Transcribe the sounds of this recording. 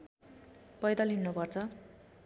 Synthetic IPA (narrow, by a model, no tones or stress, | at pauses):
pʌjd̪ʌlɦinːupʌrt͡sʰʌ